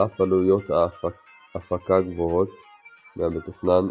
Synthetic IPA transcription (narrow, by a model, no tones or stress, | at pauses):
afalujot̪a | afakaɡvoɦot̪ | meabet̪oχnan